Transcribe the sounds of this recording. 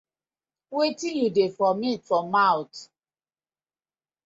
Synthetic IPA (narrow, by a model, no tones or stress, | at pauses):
wetĩjudefɔmitfɔ̃mːawt